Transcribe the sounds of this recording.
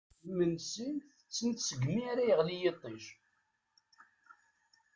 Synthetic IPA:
mənsənθət͡sːənt̪səɡmiaɾajəʁlijet̪ˤːiʃ

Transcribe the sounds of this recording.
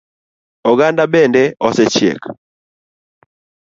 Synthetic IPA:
ɔɡandabɛndɛʔɔsɛt͡ʃjḛk

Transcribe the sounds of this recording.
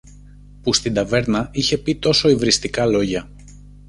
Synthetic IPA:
pust̪ind̪ɐve̞ɾnɐiçe̞pit̪o̞so̞ivɾist̪ikɐlo̞ʝɐ

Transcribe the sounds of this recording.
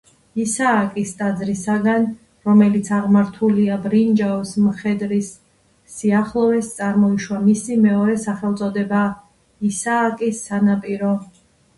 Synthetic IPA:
isaːkʼist̪ʼad̪zɾisaɡan | ɾɔmɛlit̪sʰaʁmaɾt̪ʰuliabɾind͡ʒaɔsmχɛd̪ɾisː | iaχlˠɔvɛst̪sʼaɾmɔiʃwamisimɛɔɾɛsaχɛlˠt̪sʼɔd̪ɛba | isaːkʼisːanapʼiɾɔ

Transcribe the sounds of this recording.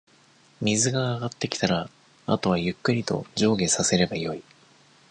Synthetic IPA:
mʲizɨɡaːɡat̪ːe̞kʲi̥t̪aɾa | a̰t̪o̞β̞ajɯ̟kːɯ̟ɾʲit̪o̞̰d͡ʑo̞ːɡe̞sase̞ɾe̞bajo̞i

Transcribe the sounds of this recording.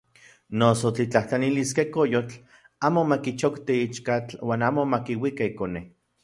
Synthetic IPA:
nosot͡ɬit͡ɬaht͡ɬaniliskekojot͡ɬ | aːmomakit͡ʃokt̪iit͡ʃkat͡ɬwaːnaːmomakiwikaikone

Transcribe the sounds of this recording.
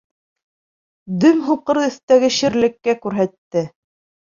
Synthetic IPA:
d̪ɵmɦuqɤ̆ɾɵ̆θt̪æɡɘɕɘ̆ɾlɘ̆kːækʉɾɦæt̪ːɘ

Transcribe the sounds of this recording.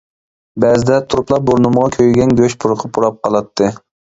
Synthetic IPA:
bɛzɪd̪ɛt̪ʰuɾuplˠɑɾ̚boɾnɨməʁɑkʲʰøjɡʲɛnɡʲøʃpʰʊɾqʰəpʰuɾɑp̚qʰɑlˠɑt̪ʰːɨ

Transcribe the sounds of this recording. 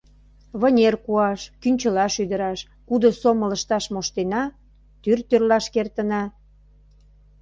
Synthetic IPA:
βənʲerkuɑʃkynʲt͡ɕəlɑʃyd̪əɾɑʃ | kud̪osomələʃt̪ɑʃmoʃt̪enɑ | t̪yrt̪ørlɑʃkert̪ə̆nɑ

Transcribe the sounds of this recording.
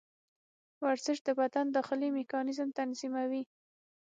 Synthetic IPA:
waɾzɪʃd̪əbad̪and̪əxɪlimɪkɑnɪzmt̪anzimawi

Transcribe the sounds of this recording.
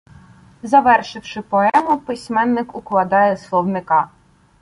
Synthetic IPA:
zɐʋɛrʃɪwʃɪpɔɛmʊpɪsʲmɛnːɪkʊklˠɐd̪ɑjɛslˠɔwnɪkɑ

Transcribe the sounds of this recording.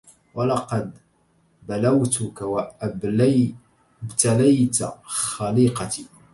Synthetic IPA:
walɑqɑd̪ | balawt̪ʊkawa | bt̪alajt̪a̰χaliqɑt̪i

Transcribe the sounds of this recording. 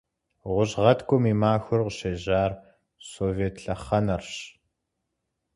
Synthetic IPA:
ʁʷʊʑʁɐtʰkʷʰʼʊmiːmaːxʷʊrqəɕeːʑaːr | soːveːtʰɬɐχɐnɐrɕ

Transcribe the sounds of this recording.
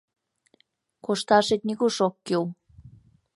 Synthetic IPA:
koʃt̪ɑʃet̪̚nʲiɣuʃokːew

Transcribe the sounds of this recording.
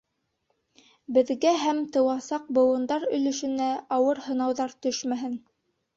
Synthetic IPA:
bɘ̆ðɡæɦæmt̪ɤ̆wɑsɑq̚bɤ̆wɤ̆nd̪ɑɾɵ̆lɵ̆ʃɵ̆næɑwɤɾhɤ̆nɑwðɑɾt̪ɵʃmæɦɘn

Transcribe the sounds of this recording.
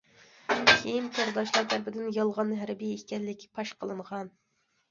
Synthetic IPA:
kʲʰejimkʰoɾd̪ɑʃlˠɑɾt̪ʰæɾpɪd̪ɪnjɑlˠʁɑnɦæɾbiekʲɛlːɪkʲpʰɑʃqʰəlˠɨɴʁɑn

